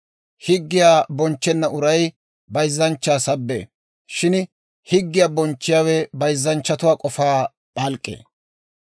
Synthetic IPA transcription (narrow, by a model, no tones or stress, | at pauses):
hɪɡːɪjaːbɔnt͡ʃːɛnːɐʔʊɾɐj | bɐjzːɐnt͡ʃːaːsɐbːḛː | ʃɪn | hɪɡːɪjaːbɔnt͡ʃːɪjawɛbɐjzːɐnt͡ʃːɐt̪ʊwaːkʼɔfaː | pʼɐlkʼːḛː